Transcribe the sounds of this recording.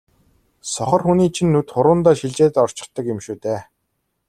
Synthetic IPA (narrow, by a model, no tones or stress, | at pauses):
sɔχɞ̆rxuniːt͡ɕʰinːut̪χʊɾʊːnt̪aːʃiɮt͡ɕeːt̪ɔr̥t͡ɕɪ̆t̪ːə̆kjemʃuːt̪eː